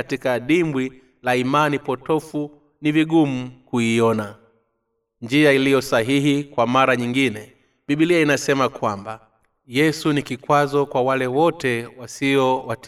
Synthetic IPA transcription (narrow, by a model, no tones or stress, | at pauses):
atikaɗimbwi | laimanipɔtɔfu | niviɡum̩kuiɔna | nd͡ʒiailijɔsaɦihikwamaɾaɲiŋɡinɛ | ɓiɓiliainasɛmakwamba | jɛsunikikwazɔkwawalɛwɔtɛwasiɔwat